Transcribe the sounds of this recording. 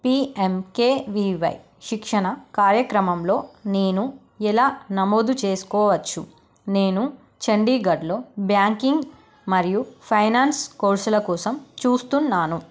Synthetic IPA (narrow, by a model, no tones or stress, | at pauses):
piːemkeːʋiːʋɐ̰j | ʃikʂɐɳɐkaːɾjɐkɾɐmɐmlo̞ːne̞ːnu | ɛlaːnɐmoːd̪ut͡ʃe̞ːsu̥kɔːʋɐt͡ʃːṵ | ne̞ːnu | t͡ʃɐɳɖiːɡɐɖlo̞ːbjaːŋkiŋɡ | mɐɾijupʰɐjnaːnskoːɾsulɐkɔːsɐmt͡ʃuːst̪unːaːnu